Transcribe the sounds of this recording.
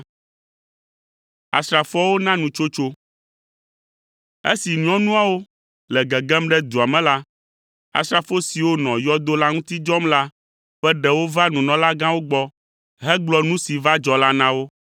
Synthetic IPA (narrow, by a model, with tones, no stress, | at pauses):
a̰˨sɾa˨fɔ˦wo˦nã˦nũ˨t͡ʃo˦t͡ʃo˦ | ḛ˦si˨ɲũ˦ɔ̃˦nũ˦a˨wo˦ | lɛ˨ɡɛ˨ɡɛ˦mɖɛ˦d̪u˨a˨mɛ̃˨la˦ | a̰˨sɾa˨fo˦si˨wo˦nɔ̃˨jɔ˦d̪o˦la˦ŋũ˦t̪i˦d͡ʒɔ˦mla˦ | ɸɛ˦ɖɛ˨wo˦va˦nũ˨nɔ̃˨la˦ɡã˦wo˦ɡ͡bɔ˦ | ɦɛ˦ɡ͡blɔ˦nũ˦si˨va˦d͡ʒɔ˨la˦nã˦wo˦